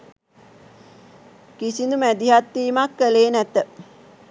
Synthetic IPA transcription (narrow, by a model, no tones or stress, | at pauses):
kisind̪umæd̪iɦat̪ːiːmakːəleːnæt̪ə